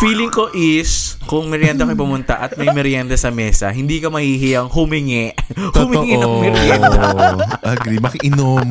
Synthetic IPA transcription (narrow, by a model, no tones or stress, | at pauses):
fiːlɪŋko̞ʔɪskʊŋmɪɾjand̪ɐkɐjpʊmʊnt̪ɐ̰ʔɐt̪̚mɐjmɪɾjand̪ɐsɐmɛːsɐ̰ɦɪnd̪iːkɐmɐhiɦɪjɐŋhʊmɪŋɛʔhʊmɪŋɪɐkmɪɾjad̪ɐʔɐɡimɐkɪʔɪnom